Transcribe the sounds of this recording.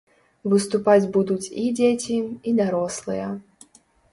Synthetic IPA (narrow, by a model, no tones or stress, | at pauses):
vɨst̪upad͡zʲbud̪ut͡sʲid͡zʲet͡sʲiid̪aɾɔslˠɨjɐ